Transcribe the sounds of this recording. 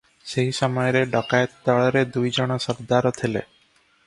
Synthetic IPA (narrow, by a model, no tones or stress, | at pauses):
seɦisamɔjɔɾeɖɔkajet̪ɔd̪aɭɔɾed̪ujd͡ʒɔɽ̃ɔsɔɾd̪aɾɔt̪ʰilḛ